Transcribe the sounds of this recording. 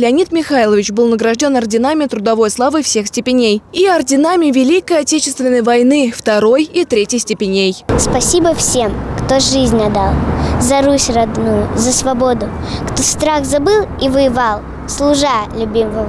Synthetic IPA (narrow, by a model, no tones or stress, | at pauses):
lʲɪɐnʲit̪mʲɪxajlˠəvʲɪt͡ɕbɨlˠnəɡɾɐʐdʲo̞nɐrdʲɪnamʲɪət̪ɾʊd̪ɐvo̞jslˠavɨfsʲe̞xsʲtʲɪpʲɪnʲejiɐrdʲɪnamʲɪvʲɪlʲikəjɐtʲet͡ɕɪ̥st̪vʲɪnːəjvɐjnɨft̪ɐɾo̞jit̪ɾʲetʲjɪjsʲtʲɪpʲɪnʲejspɐsʲibəfsʲe̞mkt̪oʐɨzʲnʲɐd̪alˠzɐɾusʲrɐd̪nujʊzəsvɐbo̞d̪ʊ | kt̪ost̪ɾaxzɐbɨlˠivɨjɪvalˠ | slˠʊʐalʲʊbʲiməvəvə